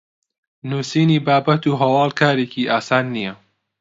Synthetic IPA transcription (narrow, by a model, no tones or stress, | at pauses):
nuːsiːniːbaːbɐt̪uːɦɐwɑːlˠkʰaːɾeːkiʔaːsaːnːijɐ